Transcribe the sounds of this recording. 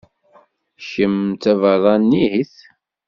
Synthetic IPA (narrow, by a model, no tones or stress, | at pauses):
ʃəmt͡s̪ævəðˤɑnːihiθ